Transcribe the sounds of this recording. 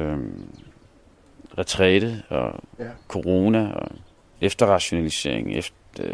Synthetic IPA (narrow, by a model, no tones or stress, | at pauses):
ʁɛt͡sʰʁɛɾ̥ð̩ˠɒkʰo̝ʁo̝ːnæɒ | efd̥ɐʁɑ̈ɕo̝nælise̝̰ɐ̰e̝ŋ̩ef